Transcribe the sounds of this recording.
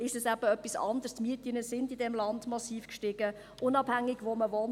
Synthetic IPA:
ɪʃɛsæb̥əœpisɑ̰ndərstmyətinəsɪndɪdɛmlɑndmɑsiːfkʃtɪɡ̥ə | ʔʊnɑbhæŋːɪɡ̥ʋoməʋɔn

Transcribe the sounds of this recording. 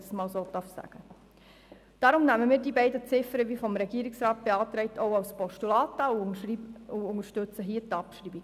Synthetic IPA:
smɑːlsoːt̪ɑrfsæ̰ɡ̥ə | d̥ɑɾʊmnæməmiːɾdibɛɪdət͡sɪfəɾəʋifɔmɾɛɡiːɾiksɾɑːt̚b̥eɑːtɾɛɪtʰoʊɑwspɔʃtulɑːtɑu | uʊŋəʃtɵt͡səɦiːətɑpʃɾiːbiɡ̥

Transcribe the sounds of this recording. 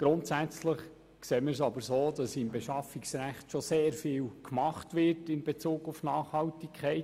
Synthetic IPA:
ɡ̥ɾʊntsæt͡sləχ | kseːməɾs̬ɑbəɾsoːd̥ɑsɪmbeʃɑfiksɾæχtʃoseːɾfɪːlkʰmɑχtʋɪtɪnbet͡suːɡufnɑːχhɑltikʰχɛɪ

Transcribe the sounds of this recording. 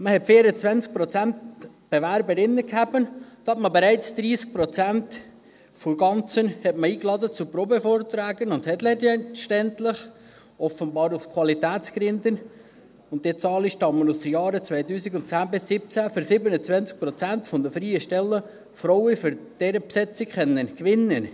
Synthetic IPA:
məhɛtfeːɾət͡svænt͡sk̚pɾɔt͡sænt̪ | b̥ɛvæɾbəɾɪnːəkʰhæbənd̥̪ɑtməbeɾæɪt͡sd̥̪ɾiːsk̚pɾɔt͡sænt̪ | foɾɡɑnt͡sənhɛtməiːklɑd̪ət͡supɾɔbefoːɾt̪ɾæːɡənʊnd̪hɛtlɛdɛnʃtɛnt̪lɪχ | ʔɔfənbɑːɾufkʰwɑlit̪æːt͡skɾɪnd̪ən | ʊnt̚dit͡sɑːliʃtɑmːənusd̥̪əjɑːɾət͡sʋɛjt̪yːsikʊntt͡sæːnbɪsːɪp̚t͡sæfʏɾsɪbənət͡sʋɛnt͡sk̚pɾɔt͡sænt̪fɔnd̪əfɾiːəʃtɛlːə | fɾɔʊəfʏɾd̥ɛɾəpsɛt͡sikχɛnːənkʋɪnːən

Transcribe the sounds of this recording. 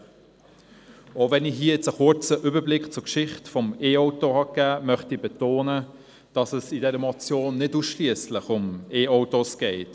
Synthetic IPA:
ovɛniɦiːəjɛt͡səkʊɹt͡səʔyːbəblɪkt͡sʊkʃɪχtfɔmeːɔʊtohɑkæːmœχtibɛtoːnə | d̥ɑsəsɪdɛɾəmɔt͡sjoːnːɪduːsʃliəslɪχʊmeːoʊtosɡ̥ɛɪt

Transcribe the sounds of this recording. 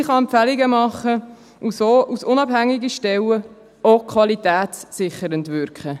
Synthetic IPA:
ɪχɑɛmpfɛlɪɡəmɑχə | usoːʔusʊnɑb̥hæŋːiɡiʃtɛlə | okʰχʋɑlitɛːtsːɪχəɾəntʋʏɾkχə

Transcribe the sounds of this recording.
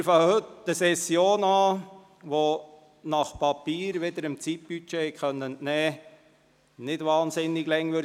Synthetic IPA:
ɾfɑhøtd̥əsɛsjoːnɑː | ʋo | nɑχpʰɑpiːɾʋed̪əɾəmt͡sit̚b̥yt͡ʃeːkχœnːənnɛː | nɪdʋɑːnsɪnːɪɡlɛŋʋø

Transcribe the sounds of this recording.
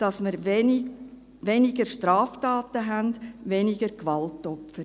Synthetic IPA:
d̥ɑsməɾvɛnɪ | ʋɛnɪɡəɾʃtɾɑːftaːtəɦændʋɛnɪɡəɾkʋɑltɔpfəɾ

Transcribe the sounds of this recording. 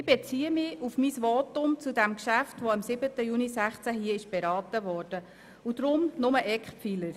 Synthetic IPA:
ɪb̥et͡siːəmɪufmisʋɔːtʊmt͡sudæmkʃæftʋoɑmsɪbətəjuːnisæχt͡sæɦiəɪʃb̥ɛɾɑːtəʋɔːrd̥ə | ud̥ɾʊmnʊməʔɛkχpfiləɾ

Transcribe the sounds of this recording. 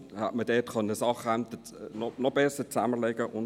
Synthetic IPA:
ha̰tmədɛːtkʰœnəəsɑχæmt̪ə | nɔnɔb̥ɛsət͡sæməlɛɡəʔʊn

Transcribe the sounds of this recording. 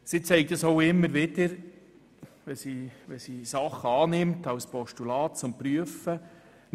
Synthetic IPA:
sit͡sɛɪk̚t̪əsoʊɪmːəɾʋɪdəɾ | ʋɛsiʋɛsisɑχːəɑːnɪmtɑwspɔʃtulɑːtt͡sʊmpɾyəfə

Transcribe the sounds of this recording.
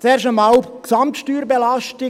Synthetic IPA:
t͡sɛːɾʃəmɑʊksɑmtʃtyːɾbelɑʃtɪ

